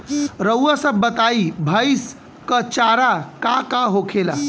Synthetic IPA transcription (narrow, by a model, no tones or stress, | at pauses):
ɾəwəsəbːət̪aibʱəjs | kət͡ʃaɾakakaɦokʰela̰